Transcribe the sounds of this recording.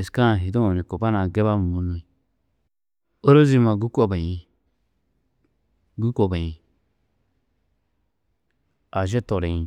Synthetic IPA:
e˨ska˦˨ɦi˨do˦o˨nĩ˨ko˨ba˦na˨ɡe˦ba˦m˨mu˨nu˨i˨ | o˦ɾo˦zi˦˧mã˨ɡu˦kʷo˨ba˨ji˧ | ɡu˦kʷo˨ba˨jĩ˨ | a˨ʒe˦to˨ɾe˨ĩ˨

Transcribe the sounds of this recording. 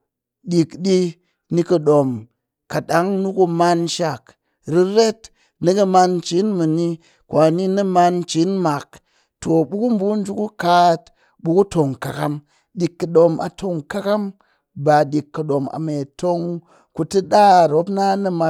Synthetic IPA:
ɗi˨kɗi˧ | ni˧kɐ˧ɗo˨m | ka˨ɗa˨˦ŋnu˦ku˧ma˧nʃa˨k | ɾi˦˧ɾe˦t | nɨ˦kɐ˧ma˧nt͡ʃi˨˦nmɨ˨ni˧ | kwa˨ni˧nɨ˦ma˧nt͡ʃi˨˦nma˨k̚ | to˨bu˦ku˦m˦bu˦n̩˦d͡ʒu˧ku˦ka˦t | bu˧ku˦to˨ŋka˨ka˦m | ɗi˧kːɐ˨ɗo˧ma̰˧tʰo˧ŋka˦ka˦m | ba˨ɗi˨kːɐ˨ɗo˨ma̰˨me˨to˧ŋ | ku˧tɨ˦ɗa˦˨ɾo˨˦pna˦nɨ˦ma˧

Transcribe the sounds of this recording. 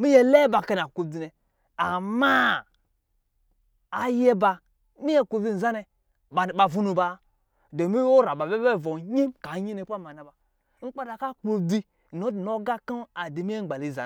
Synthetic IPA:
mi˦je˦le˦ba˨ka˨n˨a˨ko˨di˨nɛ˨ | a˨ma˦˨ | je˦ba˨ | mi˦je˦˨ko˨bi˦˨n̩˨za˦nɛ˨ | ba˨vu˦nu˨ba˨˦ | do˨mi˦o˦ɾa˨ba˨be˦e˦˨vo˨ɲi˦mka˨˦ɲi˦ne˨˦pa˦˨ma˨na˨ba˨ | ŋ͡m̩˦k͡pa˦da˨ka˦k͡po˨di˦˨ | no˨˦dno˦ɡa˦ka˦a˨di˨mi˦e˦ŋ͡m̩˨ɡ͡ba˨li˨za̰˨

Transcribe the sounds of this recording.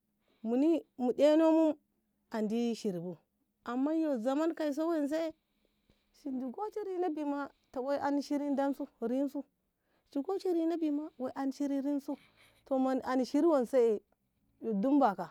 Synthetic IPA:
mu˨ni˦mu˨de˦no˦mu˦ | a˨ndi˦ʃi˨ɾi˨bu˦ | a˨mːa˦jo˨za˨ma˦nka˨i˨s̬o˦we˦ns̬e˦ | ʃi˨ndi˨ɡo˦t͡ʃi˦ɾi˦na˦bi˨ma˦ta˨wo˦ʔa˦ni˦ʃi˦ɾi˦n˦da˦nsu˦ɾi˦n˦su˦ | t͡ʃi˨ɡo˦t͡ʃi˦ɾi˦na˦bi˨ma˦we˨ʔa˨n˨ʃi˦ɾi˦ɾi˦n˦su˦ | to˨ma˨a˨ni˨ʃi˦ɾi˦wo˨n˨sa˦e˨ | jo˨du˦mba˨ka˨

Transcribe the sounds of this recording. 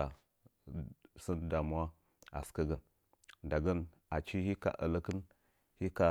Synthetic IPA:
a˨ | sə˦nda˨mu˦wa˦ | a̰˨ska˦ɡə˨n | da˨ɡə˦n | a˨t͡ʃi˦hi˦ka̰˨ʔə̰˨lə˦kə˦n | hi˦ka˨

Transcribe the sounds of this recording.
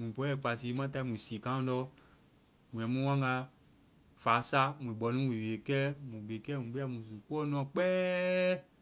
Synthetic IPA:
mũ˨pɔ˨˦ɛ˨k͡pa˨si˨˦mã˦ta˧i˦mũ˨si˨kã˦dɔ˦ | mũ˨ɛ̃˨mũ˦wã˦ŋ˦ɡa˧ | faː˨˦sa˦mũ˨bɔ˨˦nũ˦wi˨we˨kɛ˦mũ˨ɡ͡be˨kɛ˦mũ˨ɡ͡be˦a˦˨mũ˨sũ˨k͡pɔ˦nɔ̃˨˦k͡pɛː˦

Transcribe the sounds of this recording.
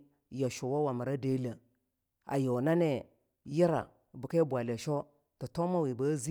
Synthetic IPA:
ja˨ʃo˨wa˦wa˨mə˨ɾa˦de˦la˨ | a̰˨jo˨na˦ne˨ | ji˦ɾa̰˨ | bu˨ka˦bʷa˨le˨ʃo˦ | ti˨to˦ma˦wi˨ba˦zi˦

